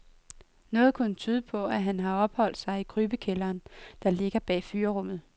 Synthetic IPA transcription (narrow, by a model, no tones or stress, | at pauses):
nɔ̽ːð̞̩ˠkʰɔnt͡sʰyːð̞ˠəpʰɒ̽æɦænɦɑ̈ɒ̽b̥hɒ̽l̰d̥sɑ̈ɪikʰʁyːb̥əkʰelɐːnd̥ɑ̈le̝ɡ̥ɐb̥ɛ̰ːfyːɐʁɔ̽m̰ð̩ˠ